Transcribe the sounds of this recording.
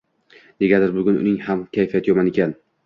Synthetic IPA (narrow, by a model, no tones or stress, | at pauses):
d̪eɡʲad̪ɪɾbʊɡʲʊnʊ̰nɪŋhamkʲʰajfijat̪jomanekʲʰan